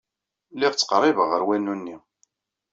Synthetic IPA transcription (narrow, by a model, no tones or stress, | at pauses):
lɪʁt͡sːqɾˤːivəʁəɾwænːunːi